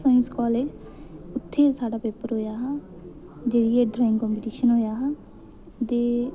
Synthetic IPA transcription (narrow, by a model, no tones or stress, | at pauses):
saːɪ̃nskɔːleːd͡ʒʊt̪ʰːeːsaːɖaːpeːpəɾɦoːjaːɦaː | d͡ʒeːɽieːɖɾaːɪ̃ŋɡkɔ̃ːmpɪʈiːʃənɦoːjaːɦː | t̪eː